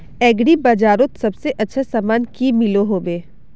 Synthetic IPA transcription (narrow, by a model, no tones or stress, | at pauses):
ɛːɡɽibaːd͡ʒaːɾot̪sɐbseʔɐtːʃʰasaːmaːnkimɪloɦoːbeː